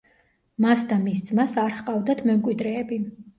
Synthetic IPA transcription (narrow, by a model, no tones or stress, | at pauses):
masd̪amisd̪zmasaɾhqʼavd̪at̪ʰmɛmkʼwid̪ɾɛːbi